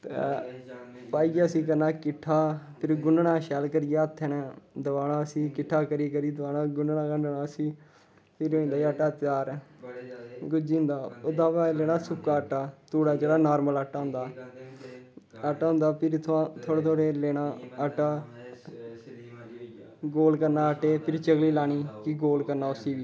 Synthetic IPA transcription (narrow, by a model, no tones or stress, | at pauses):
t̪ḛ | paːiːəsĩːkəɾnaːkɪʈʰːaːpʰɪɾɡʊnɳãːʃɛːlkəɾɪjeːət̪ʰːɛːnɛ̃ːd̪əʋaːnãːəsĩːkɪʈʰːaːkəɾiːkəɾiːd̪əʋaːnãːɡʊnɳãːkəɳɖənaːəsĩː | pʰɪɾoːĩːnd̪aːəʈaːt̪jaːɾ | ɡʊd͡ʒĩːnd̪aːod̪aːʋaːleːɽaːsʊkaːəʈːaːt̪uːɽaːd͡ʒeːɽaːnaːɾmələʈːaːɦʊ̃nd̪aː | əʈːaːɦʊ̃nd̪aːpʰɪɾt̪ʰãt̪ʰoːɽeːt̪ʰoːɽeːleːnaːəʈaː | ɡoːlkəɾnãːəʈeːpʰɪɾt͡ʃəɡliːlaːɽ̃iːkɪɡoːlkəɾnaːʊsiːʋiː